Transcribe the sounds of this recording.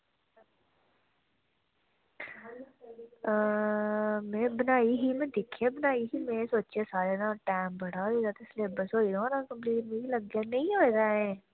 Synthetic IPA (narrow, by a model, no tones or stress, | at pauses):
mẽːbənaːiɦimẽd̪ɪkʰebənaːiɦimẽesoːt͡ʃesaːɾenãʈaːɪmbɐɽ̤aoizaːd̪aɪslebəsoiɾonakə̃mpliːmeiləɡːenɐɦĩoezaẽː